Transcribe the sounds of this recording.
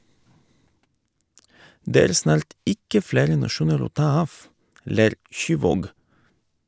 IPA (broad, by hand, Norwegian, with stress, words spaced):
ˈdeː ˈæːɾ ˈsnɑːɾt ˈɪkə ˈfleːɾə nɑˈʃuːnəɾ ˈoː ˈtɑː ˈɑːf ˈleːɾ ˈʃyːˌʋoːɡ